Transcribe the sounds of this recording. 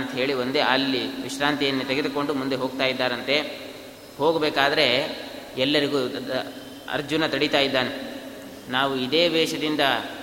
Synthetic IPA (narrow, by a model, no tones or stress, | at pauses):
nt̪ɐɦe̞ːɭio̞nd̪eɐlːiʋiʃɾaːnt̪ijɐnːut̪eɡed̪uko̞ɳɖumund̪e̞ɦo̞ːɡt̪aːjid̪ːaːɾɐnt̪e̞ | ho̞ːɡbɛːkaːd̪ɐɾe̞ɛlːɐɾiɡu | ɐ̰ɾd͡ʒunɐt̪ɐɽit̪aːjid̪ːaːne | naːʋuid̪e̞ːʋ̪ɛːʂɐd̪ind̪ɐ